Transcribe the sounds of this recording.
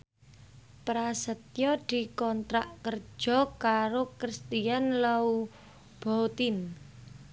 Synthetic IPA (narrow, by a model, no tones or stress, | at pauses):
pɾasət̪̚jɔd̪̥i̤kɔnt̪ɾaʔkər̥d͡ʒʒ̥ɔ̤kaɾokɾist̪ijanlau | b̥ɔt̪in